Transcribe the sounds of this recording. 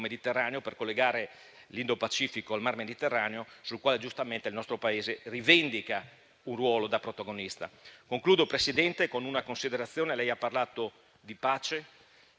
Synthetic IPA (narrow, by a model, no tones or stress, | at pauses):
med̪it̪erːaːneoperkolːeɡaːɾe | lind̪opat͡ʃiːfikoalmarmed̪it̪erːaːneosulkwaːled͡ʒust̪ament̪eilnɔst̪ɾopaeːzerivend̪ika | unrwɔːlod̪apɾot̪aɡonist̪a̰koŋkluːd̪opɾesid̪ɛnt̪ekonunakonsid̪eɾat̪sːjoːnelɛjapːarlaːt̪o | d̪ipaːt͡ʃe